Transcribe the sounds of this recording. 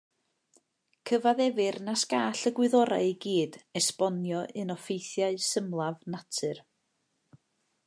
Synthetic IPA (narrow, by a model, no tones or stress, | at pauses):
kʰəvaðɛvɨrnasɡ̥aːɬəɡwɨðɔɾa̰ɨɡiːdɛspɔnjɔʔɨnɔfejθjaɨsəmlˠavnatʰɨr